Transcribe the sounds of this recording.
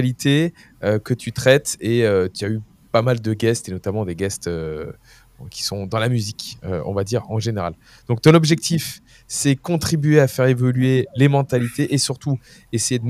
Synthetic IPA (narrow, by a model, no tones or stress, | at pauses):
lit̪ʰe | økət̪ʰyt̪χɛt̪eøt̪yay | pamald̪əɡɛst̪enɔt̪amɑ̃d̪eɡʲɛst̪ø | kʲʰi̥sɔ̃d̪ɑ̃lamyzikø̰ɔ̰̃vad̪iʁɑ̃ʒeneʁal | d̪̥ɔ̃k̚t̪ɔ̃nɔbʒɛk̚t̪if | sɛkɔ̃t̪χibɥeafɛʁevɔlɥelemɑ̃t̪alit̪eʔesyʁt̪u | esejed̪ə